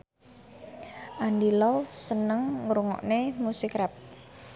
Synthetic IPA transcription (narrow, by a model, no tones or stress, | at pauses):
ʔandilɔsənəŋːɾuŋɔ̰ʔnemusɪkɾɛp̚